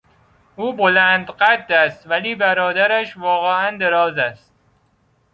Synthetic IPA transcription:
ʔuːbolænd̪ɢæt̪̚d̪æst̪væliːbæɾɒːd̪æɾæʃvɒːɣeʔænd̪eɾɒːzæst̪̚

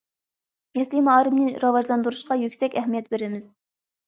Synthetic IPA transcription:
mɛslimɑːɾɨmnɨɾɑvɑʒlˠɑnd̪uɾuʃqɑjykʲsɛkʲɛhmijɛt̪̚beɾɪmɪz̥

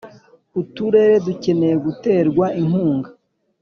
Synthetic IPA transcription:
utuɾe̞ːɾe̞duce̞ne̞jeɡute̞ːɾɡwaʔiŋhuːŋɡa

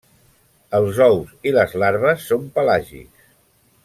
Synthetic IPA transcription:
əlˠzɔwziləzlaɾβəsːompəlaʒḭks

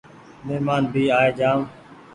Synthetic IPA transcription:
mɪmaːnbʱiːaːeːd͡ʒaːm

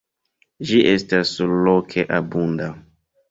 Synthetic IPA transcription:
d͡ʒiʔestasulokʰeʔabunda

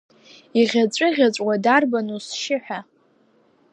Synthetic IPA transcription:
iʁʲat͡ɕʷʼɨʁʲat͡sʷʼwadarbanusʃɪħʷᶣa

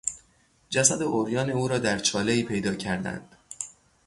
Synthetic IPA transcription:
d͡ʒæsæd̪eʔoɾjɒːneuːɾɒːd̪æɾt͡ʃʰɒːle̞iːpʰe̞jd̪ɒːcʰæɾd̪æ̰nd̪̥

